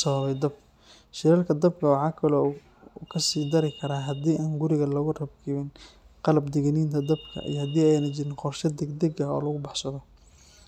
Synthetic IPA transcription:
sɐβɐβɛjd̪ɐb | ʃɪɾɐlkʰɐd̪ɐb̚kʰɐwɑʕɑːkʰɐlɔː | uːkʰɐsiːd̪ɐɾɪkʰɐɾaːɦɐd̪iːʔaːŋɡʊɾɪɣɐlɐɣʊrɐbkʰɪβɪnqɑlɐbd̪ɛɣɐniːnt̪ʰɐd̪ɐbkʰɐ̰ʔḭjɐhɐd̪iːɛjnɐt͡ʃɪɾɪnqɔrʃɐd̪ɛɡd̪ɛɡɐɔ̰ːlɐɣʊbɑħsɐðɔ

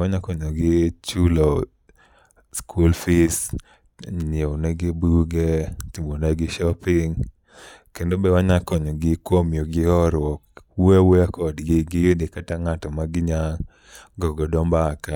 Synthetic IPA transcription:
waɲakɔɲɔɡɪt͡ʃulɔ | skʰulfis | nɪonɛɡɪbuɡɛtimonɛɡɪʃɔpɪŋ | kendobɛwaɲakɔɲɔɡɪkwomjoɡɪɔɾwɔkwawɛakɔdɡɪɡɪjodekataŋatɔmaɡɪɲa | ɡɔɡɔdɔmbaka

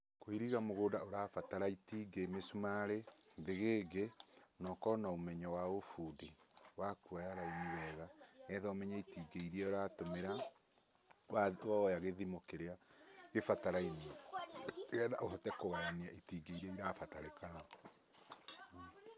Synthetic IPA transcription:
koiɾiɣamoɣoːdaoɾaːfataɾaitiːɡemesumaɾeðeɣeːɡenɔkɔnaomɛɲɔwaofuːdewakuajaɾainiwɛɣaɣɛðaomɛɲaitiɡeiɾiɛoɾaːtomeɾa | wawaɔjaɣeðimokeɾeaefataɾaini | ɣɛða̰ʔoɦɔtɛkoɣajaniaʔitiɡeiɾɛiɾaːfataɾekaa

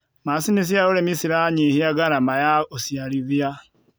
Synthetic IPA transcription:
masinis̬iaɾoɾemisiɾaɲehiaɡaɾamajaosiaɾivja

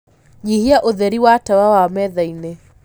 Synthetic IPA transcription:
ɲihiaʔoðɛɾiwatawawamɛðainɛ

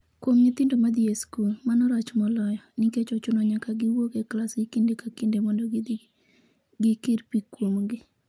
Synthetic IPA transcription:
kwomɲit̪ɪndomad̪ieskulmanɔɾat͡ʃmɔlɔjɔnɪket͡ʃɔt͡ʃʊnɔɲakaɡɪwokeklasɡɪkindekakindemɔndɔ | ɡɪkɪɾpikwomɡɪ

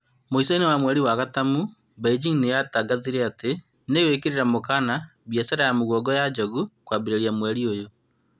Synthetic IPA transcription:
moisainawamwɛɾiwaɣatamu | baid͡ʒiŋnejataɡaðiɾɛate | newekeɾeɾamokanaβjɛsɛɾajamoɣɔɡɔjad͡ʒɔɣukwaːbiɾeɾjamwɛɾiojo

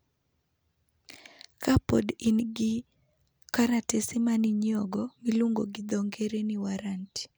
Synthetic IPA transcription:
kapɔ̰dinɡɪ | kaɾatesimaniɲɔɡɔmiluŋɡoɡɪd̪ɔŋɡeɾeniwaɾanti̥

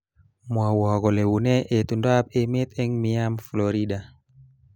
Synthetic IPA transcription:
mwawaɡɔlewunɛʔet̪undap̚ɛmet̪ɛŋmiamfloɾiɗa

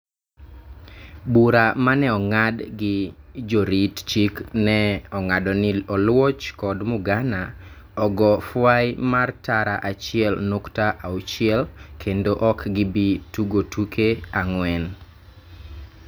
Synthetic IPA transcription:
buɾamanɛɔŋadɡɪd͡ʒoɾitt͡ʃiknɛɔŋadɔnɪɔlwɔt͡ʃkɔdmʊɡana | ɔɡɔfwajmartaɾaʔat͡ʃɪɛlnoktaʔaut͡ʃɪɛlkʰendoʔɔkɡɪbituɡotukʰeaŋwɛn

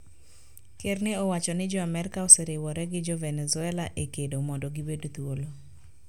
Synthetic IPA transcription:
kernɪɔwat͡ʃɔnɪd͡ʒɔamɛɾɪkaɔseɾɪwɔɾɛɡɪd͡ʒɔvɛnɛzʊɛlaʔekedomɔdɔɡɪbedt̪wolo

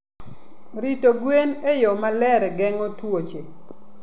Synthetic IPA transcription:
ɾitoɡwenejɔmalɛɾɛɡɛŋotwot͡ʃe

